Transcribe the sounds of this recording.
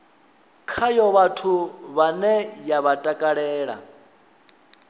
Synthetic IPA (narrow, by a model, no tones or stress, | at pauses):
kʰajɔβatʰuβanɛjaβatʼakʼaɺɛːɺa̰